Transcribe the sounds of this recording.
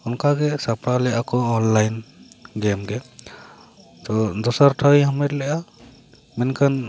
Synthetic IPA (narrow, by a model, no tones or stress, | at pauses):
ɔnkaɡɛsapɾalɛʔakɔɔnlajnɡɛmɡɛ | t̪ɔd̪ɔsaɾʈʰawiɦɔmɛt̪lɛʔa | mɛnkʰan